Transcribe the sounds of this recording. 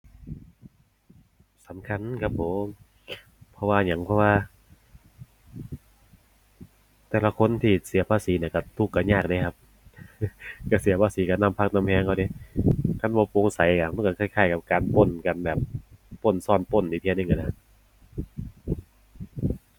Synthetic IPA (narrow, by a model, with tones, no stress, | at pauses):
sa˨˦mkʰa˧˥˨nkʰa˧p̚ʰːo˨˦mm | pʰɔ˧waː˧ɲa˨˦ŋpʰɔ˧waː˧ | t̪ɛː˧˩la˧kʰo˧˥˨nt̪ʰiː˧˩si˨˦ɐpʰaː˧˨siː˨˦ni˧˩˨ka˧˩t̪ʰu˧˩kːa˧˩ɲaː˧˩k̚da˧˦kʰa˧p̚ | ka˧˩si˨˦ɐpʰaː˧siː˨˦ka˧˩na˧˨mpʰa˧˩k̚na˧mhɛː˧˨ŋkʰa˧˩de˧˦kʰa˧˩˨nbɔː˧po˧ŋsa˨˦jka˧˩ma˧˥˨nka˧˩kʰaː˧˩jkʰaː˧˩jka˧˩p̚kaː˨˧npo˧˩˨nka˧nbɛː˨˩p̚ːo˧˩˨nsɔː˧˩˨npo˧˩˨nʔiː˧˩t̪ʰn˧˩ŋka˧˩na˧˩